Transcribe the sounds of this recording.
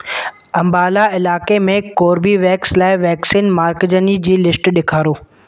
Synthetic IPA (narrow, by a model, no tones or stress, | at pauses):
ɐ̃mbaːlaɪlaːkemẽkoːɾbiʋɛːkslaːɪʋɛːksiːnmaːɾkd͡ʑənid͡ʑiːlɪsʈɗɪkʰaːɾoː